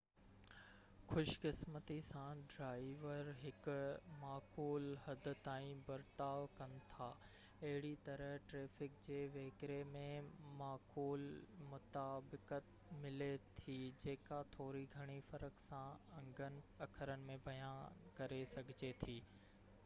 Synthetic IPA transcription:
xʊʃkɪsmət̪isãɖɾaːɪʋəɾɦɪkmaːkuːlɦɐd̪ɪ̆t̪aːĩbɐɾt̪aːʋkɐnɪ̆t̪ʰaː | ɐɦɪɽit̪ɐɾəʈɾeːfɪkd͡ʑeːʋeːkɾemẽmaːkuːlmʊt̪aːbɪkət̪ | mɪlet̪ʰid͡ʑeːkat̪ʰoːɾiɡʱɐɽ̃ifɐɾəksãɐ̃ŋɡʱənɪ̆ɐkʰəɾənɪ̆mẽbɐjaːnkɐɾesɐɡʱɪd͡ʑet̪ʰiː

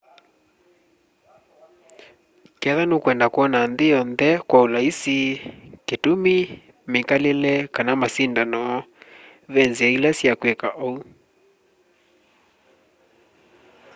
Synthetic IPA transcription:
kɛðanokwɛndakuɔnanðejɔnðɛkwaulaisiketumi | mekalelɛkanamasindanɔ | ðɛnziailasjakwɛkaʔɔu

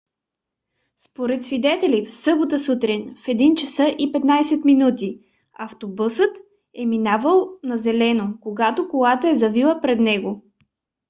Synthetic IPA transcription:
spoɾɛt̪svid̪ɛt̪ɛlifsɤbot̪əsut̪ɾinfɛd̪int͡ʃɐsɤʔipɛt̪najsɛt̪minut̪i | ɐft̪obusət̪ | ɛminavəlˠnɐzɛlɛnokoɡat̪okolˠat̪əɛzɐvilˠəpɾɛd̪nɛɡo

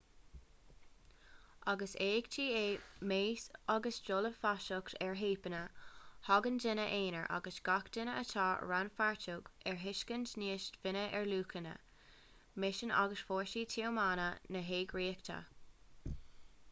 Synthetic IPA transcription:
ʔaɡəseːɡt͡ʃʰiːeːmeːsaɡəsd͡ʒoləfaʃʊktʰɛɹɦeːpənəhɔɡəndɪnəʔeːnə̰ɹʔa̰ɡəsɡ̥akd̥ɪnəə̰tʰɑːɹanfaɹtʊɡɛɹɦɪʃkəntniːʃtvɪnəʔɛɹluːkʰənə̰ | mɪʃəna̰ɡəsfoːɹʃiːtʰiəmaːnənəɦeːɡɹiːkt̪ʰə̰

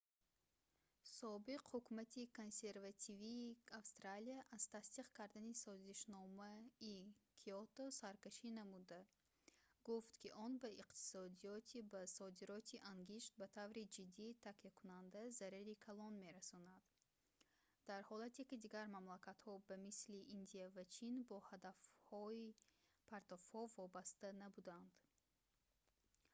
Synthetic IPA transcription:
sɔbiqhukumat̪ʰiko̞nse̞ɾvat̪ʰiviːafst̪ɾaliaʔaz̥t̪ʰast̪iqkʰaɾd̪anisɔziʃnɔmaikʰiɔt̪ɔsaɾkaʃinamud̪a | ɡ̥uft̪kʰiʔɔnbaiqt̪ʰi̥sɔd̪iɔt̪ʰibasɔd̪iɾɔt̪ʰiʔaŋɡiʃt̪̚bat̪ʰavɾid͡ʒid̪ːiːt̪ʰakijakʰunand̪azaɾiɾikʰalɔnme̞ɾasɔnad̪̥ | d̪̥aɾhɔlat̪ekid̪iɡaɾmamlakʰat̪hɔbamisliʔind̪iavæt͡ʃʰinbɔhad̪afhɔipʰaɾt̪ɔfhɔvɔbast̪anabud̪and̪

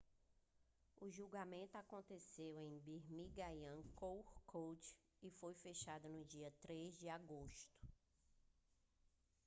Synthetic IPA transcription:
ʊʒuɡamẽnt̪ʊakõnt̪esewẽj̃biɦmiɡajɐ̃kowhkʰowt͡ʃ | ɪfojfeʃad̪ɐnʊd͡ʒiɐt̪ɾezd͡ʒɪaɡoʃt̪ʊ̥

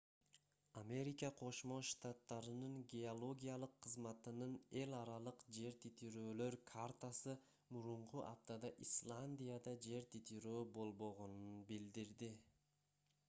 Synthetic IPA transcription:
amʲe̞ɾʲikɑqʰo̞ʃmo̞ʃt̪at̪ːɑɾɯnɯŋɡʲeolˠo̞ɡʲijalˠɯqʰːɯzmɑt̪ɯnɯne̞lʲɑɾɑlˠɯqd͡ʒe̞ɾt̪ʰit̪iɾøːlø̞ɾkʰart̪asɯ | muɾuɴquʔa̰p̚t̪ad̪ɑʔislˠanʲd̪ʲijad̪ɑd͡ʒe̞ɾt̪ʰit̪iɾøːbo̞lˠbo̞ʁo̞nunbild̪iɾd̪i

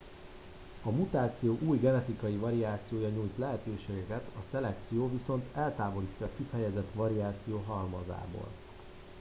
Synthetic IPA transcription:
ɒmut̪aːt̪sijoːʔuːjɡɛnɛt̪ikɒjivɒɾiaːt̪sijoːjɒɲuːjt̪lɛɦɛt̪øːʃeːɡɛkɛt̪ɒsɛlɛkt̪sijoːviso̞nt̪ɛlt̪aːvo̞liːcːɒːkifɛjɛzɛt̪vɒɾiaːt̪sijoːɦɒrmɒ̰za̰ːbo̰ːl

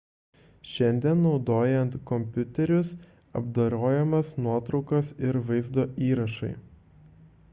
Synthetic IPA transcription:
ʃʲɛnʲd̪ʲiɛnːɒʊd̪oːjɛnt̪kɔmʲpʲʊt̪ʲɛɾʲʊs | ɐ̰bd̪ɐɾoːjɛmɐsnuɔt̪ɾɒʊkɐsɪɾʋɐɪzd̪oːʔiːɾɐʃɐ̰ɪ

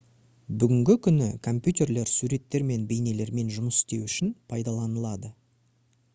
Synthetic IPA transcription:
bʏɡʲɪŋɡʲɪkʲʰʏnɪkʰo̞mpʲjut̪e̞rle̞ɾsuɾe̞t̪ːe̞ɾme̞nbe̞jne̞le̞ɾme̞nʒʊməsɪ̥st̪e̞wʏʃɪnpʰɑjd̪ɑlˠɑnəlˠɑd̪ə

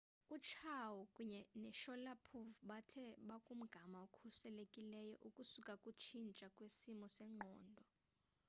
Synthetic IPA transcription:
ut͡ʃʰawukʼuɲɛnɛʃɔlapʰuvɓatʰɛɓakʼum̩ɡ̥ʱamaukʰusɛlekʼilɛjɔ̰ʔukʼusukʼakʼut͡ʃʰint͡ʃʼakʼwesimɔsɛŋ͡ǃʱɔːndʱɔ

